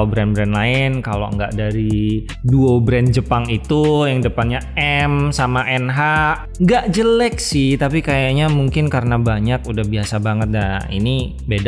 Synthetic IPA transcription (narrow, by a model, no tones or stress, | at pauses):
obɾɛnbɾɛnlaɪnkalo̰ə̰ŋɡa̰ʔdaɾi | duobɾɛnd͡ʒəpaŋit̪ujaŋdəpanɲaɛmsamaʔɛnɦa | ŋɡaʔd͡ʒələksɪht̪apikajaʔɲamuŋkɪnkaɾənabaɲakudahbiasabaŋət̪̚daḭni | bed